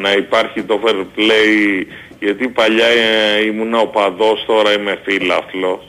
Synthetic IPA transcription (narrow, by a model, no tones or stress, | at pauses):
nɐipɐɾçit̪o̞feɾplej | ʝɐt̪ipɐʎɐimunɐopɐðo̞st̪o̞ɾɐime̞filɐflo̞